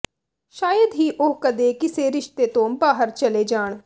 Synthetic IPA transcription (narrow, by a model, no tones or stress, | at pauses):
ʃaːjəd̪ɦiːʔoːkəd̪eːkɪseːɾɪʃt̪eːt̪õːmbaːɦəɾt͡ʃəleːd͡ʒaːɳ̃